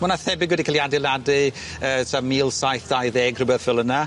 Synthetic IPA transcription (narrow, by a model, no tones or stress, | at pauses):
mɔnaθɛbɪɡwɛdikʰaljadɪlˠadɨ | əːtʰamiːlˠsajθd̥ajðeːɡr̥ɨbɛfɪlˠəna